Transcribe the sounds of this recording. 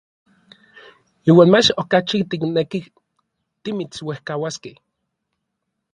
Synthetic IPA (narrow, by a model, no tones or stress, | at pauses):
iːwaːnmat͡ʃokat͡ʃit̪ikneki | t̪imit͡swehkawaskeh